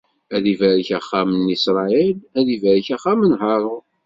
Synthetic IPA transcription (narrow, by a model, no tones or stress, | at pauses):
æðivæɾçæχːamənisɾˤɑilæðivæɾçæχamənɦɑɾˤʊ